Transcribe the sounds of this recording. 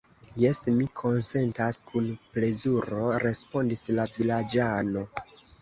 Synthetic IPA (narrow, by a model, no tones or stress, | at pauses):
je̞smikʰo̞nse̞ntaskʰunple̞zuɾo̞ɾe̞spo̞ndislavilad͡ʒano̞